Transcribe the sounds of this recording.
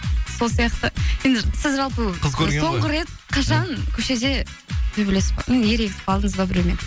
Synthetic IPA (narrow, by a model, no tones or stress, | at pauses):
so̞lˠsijɑqt̪əje̞nd̪ɪsɪzʒɑlˠpəzso̞ɴʁəɾe̞t̪̚qʰɑʃɑnkʲʰɵʃe̞d̪e̞ | b̪ebɪlesɪzbojnje̞ɾe̞ɡʲɪt̪ɪ̥pɑlˠd̪əɴəzbɑbɪɾemen